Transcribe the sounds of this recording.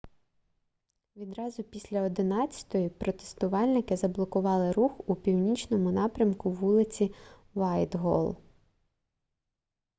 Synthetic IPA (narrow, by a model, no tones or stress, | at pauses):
ʋʲid̪ɾɑzʊpʲisʲlʲɐɔd̪ɪnɑt͡sʲːɐ̥t̪ɔjipɾɔt̪e̥st̪ʊʋɑlʲnɪkɪzɐblˠɔkʊʋɑlˠɪɾuxupʲiwnʲit͡ʃnɔmʊnɑpɾʲɐmkʊʋulˠɪt͡sʲi | ʋɑjd̪ɦɔ̰lˠ